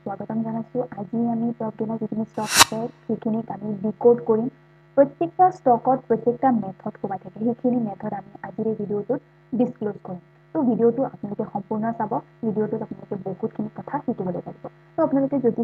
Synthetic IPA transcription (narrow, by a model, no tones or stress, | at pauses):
swaɡɔtɔmzanasʊ̃ʔaziamipɹɔb̚ɡɛnazikʰinistɔkasɛxejkʰinikamiɹikoɹdkoɹim | pɹɔtjek̚tastɔkɔt̚pɹɔtjek̚tamɛtʰɔtxobatʰakɛxekʰinimɛtʰɔtamiaziɹɛbʱidiotʊt̚ | diskloskoɹim | tobʱidiotʊapʊnalʊkɛxɔmpuɹnɔsabɔbʱidijotʊtapʊnalʊkɛboɦutkʰinikɔtʰatʰikibɔlo̰jpaɡibɔ | toapunalokɛzodi